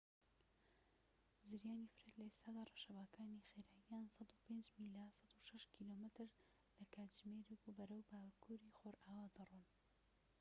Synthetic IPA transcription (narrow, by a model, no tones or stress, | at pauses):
zɨɾjaːnifɨɾet̪lɐest̪ʰaːd̪aːrˤɑʃɐbaːkʰaːnixeɾaːjijaːnsɑd̪upend͡ʒmilasɑd̪uʃɐʃkʰilomɨt̪ɾ | lɐkʰaːt̪d͡ʒmeɾekubɐɾɐwbaːkʰuɾixoːɾʔaːwad̪ɨrun